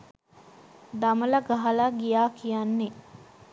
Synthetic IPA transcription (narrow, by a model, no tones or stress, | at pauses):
d̪amɐlɐɡaɦɐlaɡijaːkʰijanːe